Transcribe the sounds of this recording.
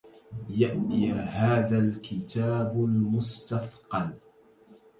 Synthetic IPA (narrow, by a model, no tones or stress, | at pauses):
jaʔihaːðalkɪt̪aːbʊlmʊst̪ɑθqɑl